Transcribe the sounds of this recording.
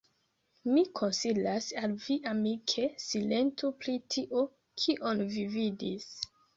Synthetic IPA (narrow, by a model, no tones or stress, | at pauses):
mikʰo̞nsilasalviʔamikʰe̞sile̞ntopɾitʰiʔo | kʰiʔonvividis